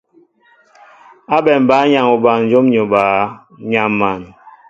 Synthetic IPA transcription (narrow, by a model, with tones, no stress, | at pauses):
a˦bɛ˨m˨baː˨˦ɲa˨ŋu˨ba˨nn̩˦d͡ʒo˦mɲo˨baː˨˦ | ɲa˨mːa˨n˨